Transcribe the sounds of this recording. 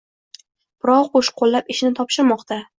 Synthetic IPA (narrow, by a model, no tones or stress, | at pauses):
b̥ɪɾɒwqʰoʃqʰolːapɪʃɪnɪt̪ʰɒpʃɪɾmɒqt̪ʰa